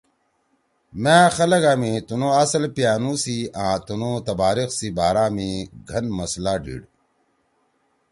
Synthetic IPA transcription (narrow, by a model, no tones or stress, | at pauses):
mẽːxɐlɐɡaːmĩt̪unõːɐslpjaːnũːsiãːt̪unoːt̪ɐbaːɾixsibaːɾaːmĩɡʱɐnmɐslaːɖḭːɽ